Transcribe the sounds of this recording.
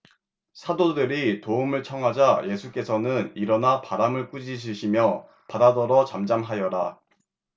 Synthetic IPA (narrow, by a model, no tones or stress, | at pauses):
sʰadodɯɾitoumɯɭt͡ɕʰʌŋɦad͡ʑaje̞sʰuk͈e̞sʰʌnɯniɾʌnapaɾamɯɭk͈ud͡ʑiɕ̬ʰiɕʰimjʌ | padadʌɾʌt͡ɕamd͡ʑamɦajʌɾa